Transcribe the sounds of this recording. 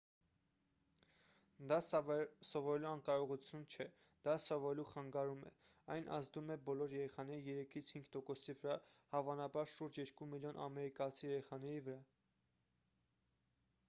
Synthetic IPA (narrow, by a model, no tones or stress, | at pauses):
d̪ɑsɔvɔɾɛluɑŋkɑɾɔʁut͡sʰjunt͡ʃʰɛ | d̪̥ɑsɔvɔɾɛluχɑŋɡɑɾumɛ̰ | ɑjnʔɑ̰zd̪umɛbɔlɔɾjɛɾɛχɑnɛɾijɛɾɛkʰit͡sʰhiŋɡt̪ɔkɔsivəɾɑhɑvɑnɑbɑɾʃuɾd͡ʒjɛɾkumiljɔnʔɑ̰mɛɾikɑt͡sʰijɛɾɛχɑn̪ɛɾivəɾɑ